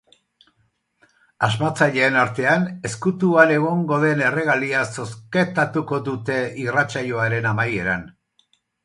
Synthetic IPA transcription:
azmat͡saʎe̞ːnaɾt̪e̞ane̞skut̪uane̞ɣ̞o̞ŋɡo̞ðe̞ne̞re̞ɣ̞aliaso̞sket̪at̪uko̞ðut̪e̞irat͡saʎo̞aɾe̞namaje̞ɾan

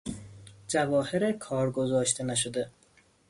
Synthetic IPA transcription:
d͡ʒævɒːheɾekʰɒːɾɡozɒːʃt̪ʰenæʃ̬od̪e

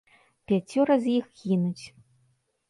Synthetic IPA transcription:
pʲat͡sʲɔɾɐzjixɣʲinut͡sʲ

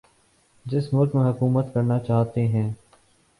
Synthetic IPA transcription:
d͡ʒɪsmʊɾkmẽɦɐkuːmət̪kɐɾnat͡ʃaːɦt̪eɦɛ̃ː

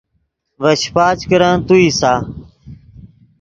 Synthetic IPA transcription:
ʋəɕpaːt͡ʃkəɾãːt̪uːiːsaː

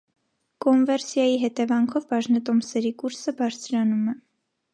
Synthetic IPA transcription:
kɔnvɛɾsjɑjiɦɛt̪ɛvɑŋkʰɔvbɑʒnət̪ɔmsɛɾikuɾsəbɑɾt͡sʰɾɑnumɛ

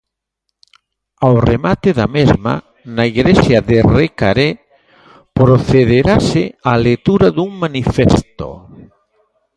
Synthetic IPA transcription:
awremat̪ɪðamezma̰ | naiɣɾesjaðereka̰ɾe | pɾoθeðeɾasɪalet̪uɾaðuŋmanifest̪o̰

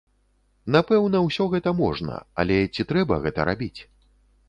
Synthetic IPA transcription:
napɛwnɐwsʲɔɣɛt̪ɐmɔʐnɐ̰a̰lʲɛt͡sʲit̪ɾɛbɐɣɛt̪ɐ̰ɾa̰bʲit͡sʲ

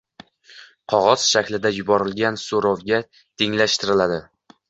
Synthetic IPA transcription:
qʰɒʁɒz̥ʃakʲlɪd̪ajʊbɒɾɪlɡʲansoɾɒwɡʲa | t̪ʰeŋlaʃt̪ɪɾɪlad̪ɪ

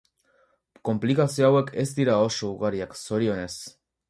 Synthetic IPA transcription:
ko̞mplikasioawe̞ke̞zd̪iɾao̞so̞uɣaɾiakso̞ɾio̞ne̞s

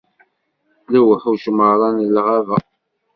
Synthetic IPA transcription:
læwəħuʃməɾˤɑnlːʁævæ

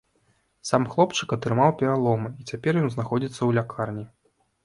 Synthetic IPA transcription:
samxlˠɔpt͡ʂɨkɐt̪ɾɨmawpʲɛɾalˠɔmɨit͡sʲapʲɛrjɔnznaxɔd͡zʲit̪sːɐwlʲakʰarnʲi

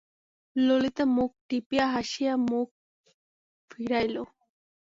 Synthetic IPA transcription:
lolit̪amuk̚ʈipijaɦaʃijamuk̚ | fʰiɾajlo

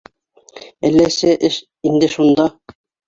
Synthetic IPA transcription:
ælːæsɘʔɘʃ | ind̪ɘʃund̪ɑ

